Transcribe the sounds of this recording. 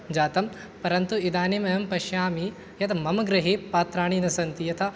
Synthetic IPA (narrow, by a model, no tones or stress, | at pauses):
d͡ʒaːt̪ɐm | pɐɾɐnt̪uid̪aːnimɐjɐmpɐʃjaːmi | jɐt̪ʰɐmɐmɐɡɾɐɦipaːt̪ɾaːɳinɐsɐnt̪ijɐt̪ʰɐ